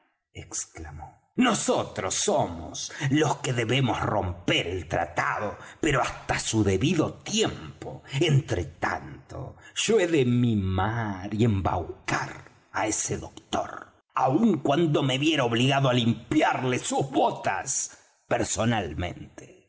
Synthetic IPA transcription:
eksklamo | nosot̪ɾosomo̰slo̞skeðe̞βe̞mosrompeɾelt̪ɾa̰t̪aðopeɾo̞ast̪asuðeβiðot̪jempo̞ent̪ɾet̪a̰nt̪o̰ʒ̥oeðemimaɾie̞mba̰wka̰ɾ | aeseðokt̪o̰ɾ | auŋkwand̪o̞meβjeɾaoβliɣaðoalimpjaɾlesuzβot̪a̰s | peɾso̞nalmḛ̃nt̪e̥

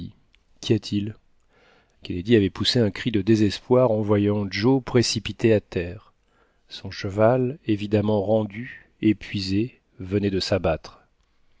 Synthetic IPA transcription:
kʲʰiat̪ʰil | kʲɛned̪iavɛpuseɛ̃kχid̪əd̪ezɛspwaʁɑ̃vwajɑ̃ʒopχesipit̪eat̪ɛːʁ | sɔ̃ʃəvalevid̪amɑ̃ʁɑ̃d̪y | epʰɥize | vənɛd̪əsabat̪χ

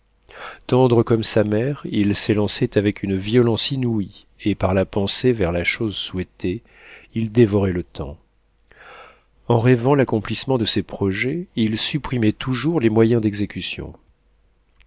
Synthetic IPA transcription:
t̪ɑ̃d̪ʁəkɔmsamɛʁilselɑ̃sɛt̪avɛkʲʰynviɔlɑ̃sinui | epaʁlapɑ̃sevɛʁlaʃozswɛt̪ʰe | ild̪evɔʁɛlət̪ʰɑ̰̃ | ɑ̃ʁɛvɑ̃lakɔ̃plismɑ̃d̪əsepχɔʒɛilsypχimɛt̪ʰuʒuʁlemwajɛ̃d̪ɛɡzekʲysjɔ̰̃

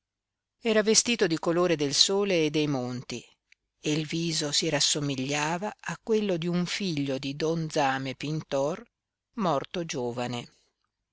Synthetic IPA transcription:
ɛːɾavest̪iːt̪od̪ikoloːɾed̪elsoːleːd̪ːejmont̪i | elviːzosiɾasːomiʎːaːvaːkːwelːod̪iuɱfiʎːod̪id̪ɔnd̪zaːmepint̪ɔr | mɔrt̪od͡ʒoːvane

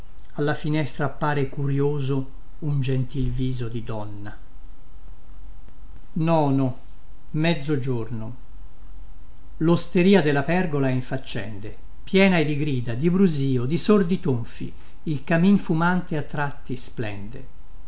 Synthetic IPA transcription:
alːafinɛst̪ɾaːpːaːɾekuɾjoːzo | und͡ʒent̪ilviːzod̪id̪ɔnːa | nɔːno | mɛd̪zːod͡ʒorno | lost̪eɾiːad̪elːapɛrɡolaɛiɱfat͡ʃːɛ̰nd̪e | pjɛːnaed̪iɡɾiːd̪ad̪ibɾuziːod̪isord̪it̪oɱfḭ | ilkaminfumant̪eat̪ːɾat̪ːisplɛ̰nd̪ḛ

